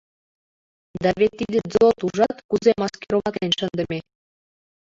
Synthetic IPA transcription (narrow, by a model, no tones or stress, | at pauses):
d̪ɑβet̪ːid̪ed͡zot̪uʐɑt̪kuzemɑskeɾomɑt̪enʃənd̪ə̆mʲe